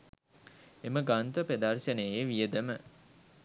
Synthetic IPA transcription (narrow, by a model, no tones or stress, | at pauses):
eməɡant̪əped̪arʃənejeʋijəd̪əmə